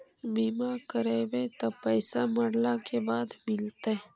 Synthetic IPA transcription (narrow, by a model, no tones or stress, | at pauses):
biːmakəɾeːbet̪opɛjsaməɽlakebaːd̪mɪlt̪e